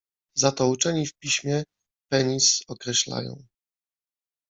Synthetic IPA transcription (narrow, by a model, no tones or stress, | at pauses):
zat̪ɔut͡ʂɛɲifpʲiɕmʲjɛ | pɛɲisɔkɾɛɕla̰jɔ̰̃w̃